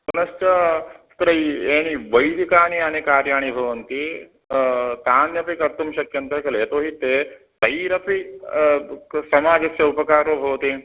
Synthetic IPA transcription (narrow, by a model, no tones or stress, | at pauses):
kunɐst͡ʃɐst̪ɾɐieːniʋɐjd̪ikaːnianekaːɾjaːɳ̃ibʱɐʋɐnt̪i | t̪aːnjɐpikɐɾt̪umʃɐkjɐnt̪ɐkɐleːt̪oːɦit̪eː | t̪ɐjɾɐpi | sɐmaːd͡ʒɐsjɐupɐkaːɾoːbʱɐʋt̪i